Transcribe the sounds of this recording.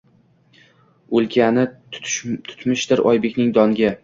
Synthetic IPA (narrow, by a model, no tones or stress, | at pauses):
olˠkʲʰanɪ | t̪ʰʊ̥t̪mɪʃd̪ɪɾɒ̰jbekʲnɪŋd̪ɒŋɡʲa